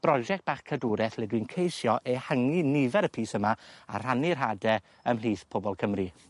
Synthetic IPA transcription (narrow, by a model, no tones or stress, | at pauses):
b̥rɔd͡ʒɛk̚t̚b̥aχkʰədʊɾɛθlˠɛdwinkʰejsjɔʔehəŋinɪvɛɾəpʰiːsəmaa̰r̥anir̥ɦadɛ | əml̥iːθpʰobɔlˠkʰəmri